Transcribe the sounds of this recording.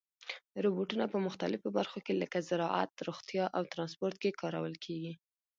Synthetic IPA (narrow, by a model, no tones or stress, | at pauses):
ɾobuʈunapəmʊxt̪alɪfobaɾxokeləkazɪɾɑ̰ʔa̰t̪ɾoxt̪jɑʔawt̪ɾɑnspoɾt̪̚kekɑɾa̰wəlkʰeɡi